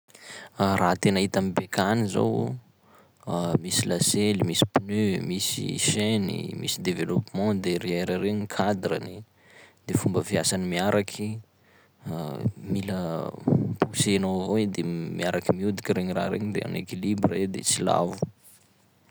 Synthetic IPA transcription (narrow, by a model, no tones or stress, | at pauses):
rat̪enaɦit̪amibekʰaniza̰w | misilaselimisi̥pnymisḭʃenḭmḭsid̪evelɔpmɑ̃d̪eɾeeɾaɾeɲikʰad̪ɾə̰ni | d̪̥efumbəfiasanimiaɾakʰi | milə | pusenovoed̪emiaɾakimiud̪i̥kʲiɾeɲira̰ɾḛɲid̪ḛa̰nḛkilibred̪ḛt͡sila̰vu̥